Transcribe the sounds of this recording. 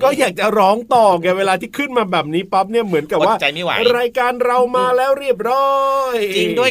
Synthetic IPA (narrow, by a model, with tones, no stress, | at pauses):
kɔː˥˩jaː˨˩k̚t͡ɕa˨˩ɾɔː˦˥ŋt̪ɔː˨˩ɡɛ˧˩weː˧laː˧t̪ʰiː˥˩kʰɯ˥˩nmaː˧bɛː˨˩p̚niː˦˥pa˦˥p̚ni˥˩ɐmɯ˩˦ənka˨˩p̚waː˥˩t͡ɕa˧jma˥˩wa̰˨˦ɾaː˧jkaː˧nɾa˧wmaː˧lɛː˦˥wɾi˥˩əp̬̚ɾɔː˦˥jt͡ɕi˧du˥˩əj